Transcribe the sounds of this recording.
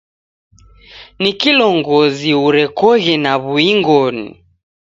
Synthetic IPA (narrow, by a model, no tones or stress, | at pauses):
nikilɔŋɡɔziuɾɛkɔɣɛnaβuiŋɡɔnḭ